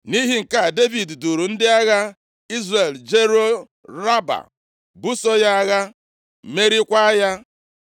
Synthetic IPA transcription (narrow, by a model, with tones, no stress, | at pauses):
ni˦ɦi˨˦ŋ̩˨ka˦˨de˦vi˨ddu˨ɾu˨n̩˦dɪ˦a˦ɣa˦ | i˦zre˨ld͡ʒe˦ɾo˦ | ɾa˦ba̰˨ | bu˦so˦ja˦a˦ɣa˦˨ | me˦ɾi˦kʷa˦a˦ja˦